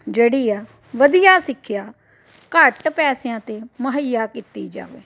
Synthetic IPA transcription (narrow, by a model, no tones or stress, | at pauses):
d͡ʒeːɽiːaː | ʋəd̪ɪjaːsɪkʰːɪjaː | kəʈpɛːsejãːt̪eːməɦəjaːkiːt̪iːd͡ʒa̰ːʋḛː